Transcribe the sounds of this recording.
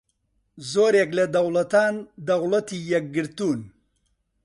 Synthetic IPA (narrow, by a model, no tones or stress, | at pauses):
zoɾjeklad̪ɐwlat̪aːnd̪ɐwlat̪ijak̚ɡɪɾt̪un